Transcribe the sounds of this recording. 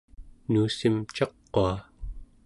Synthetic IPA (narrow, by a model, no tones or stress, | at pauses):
nuːsimt͡ʃɑqːoa